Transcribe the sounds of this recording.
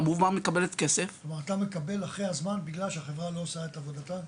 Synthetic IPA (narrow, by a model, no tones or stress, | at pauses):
muvmamekabe̞let̪keseflomaʁat̪ame̞kabe̞laχʁehazmanbiɡlalʃeaχevʁalo̞ːsaetavo̞data